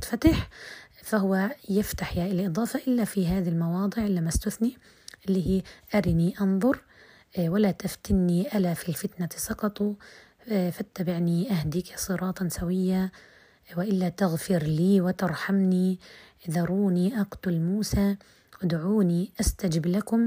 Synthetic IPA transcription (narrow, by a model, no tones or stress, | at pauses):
t̪fat̪ɪħfahʊwːajɪft̪aħjaːʔɪlʔɨd̪ˤɑːfɑʔɪlːafiɦaːðilmɑwɑːd̪ˤɨʕʔɪlːamːast̪ʊθni | ʔɪlːiːhiːʔaɾiniʔɑnðˤʊɾ | walat̪aft̪ɪnːiʔalafilfɪt̪nasˤɑqɑt̪ˤu | fat̪ːabɪʕniʔahd̪iːksˤɨɾˤɑːt̪ˤnsawɪjːa | wɪʔɪlːat̪ɪɣfɪɾliːwɪt̪ɪɾˤħamni | ðɑɾˤuːniʔɑɡt̪ʊlmuːsa | wɪd̪ʕuːniʔast̪ad͡ʒɪblakʊm